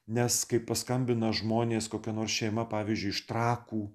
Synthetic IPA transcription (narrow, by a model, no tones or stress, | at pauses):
nʲɛskɐɪppɐskɐmʲbʲɪnɐʒmoːnʲeːskoːkʲɛnoːrsʃʲɛɪmɐpɑːʋʲizʲd͡ʒʲʊɪɪʃt̪ɾɑːkuː